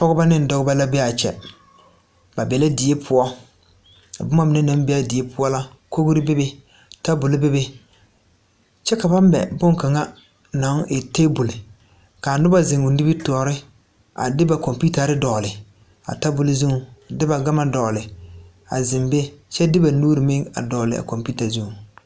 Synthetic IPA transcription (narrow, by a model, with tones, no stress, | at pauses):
pɔ˦ɣʊ˦ba˦nɪ˦n˨dɔ˦ɣʊ˦ba˦la˦be˦a˨t͡ʃɛ̰˨ | ba˨bɛ˨la˦dɪ˨je˦pʰʊ˦ɔ˦ | a˨bʊ˦ma˦mɪ˨nɪ˦na˨˦m˦be˦a˦dɪ˨e˦pʰʊ˦ɔ˦la˦ | ko˦ɡʊ˦ɾɪ˦be˦be˦ | ta˦bʊ˨lɪ˦be˦be˦ | t͡ʃɛ˦ka˨ba˦m˦bɛ̰˨bʊ˦ŋka˨ŋa˦ | na˨˦ŋ˦ɪ˨te˦bʊ˨lɪ˨ | ka˨nʊ˦ba˦zɪ˨ŋʊ˨ndɪ˦bɪ˦tu˨ɔ˨ɾɪ˦ | a̰˨dɪ˦ba˨kɔ˨mpi˦ta˨ɾɪ˦dɔː˨lɪ˨ | a̰˨ta˦bʊ˨lɪ˦zu˦ŋu˨dɪ˦ba˨ɡa˦ma˦dɔː˨lɪ˨ | a̰˨zɪ˨mbe˦t͡ʃɛ˦dɪ˦ba˨nuː˦ɾi˨mɪ˦ŋa̰˨dɔː˨lɪ˨a̰˨kɔ˨mpi˦ta˨zu˦ŋu˨